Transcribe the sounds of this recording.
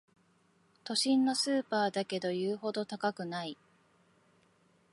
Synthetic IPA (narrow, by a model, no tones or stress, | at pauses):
t̪o̞ɕĩnːo̞sɨːpaːd̪ake̞d̪o̞jɯ̟ːho̞d̪o̞t̪akakɯ̟nai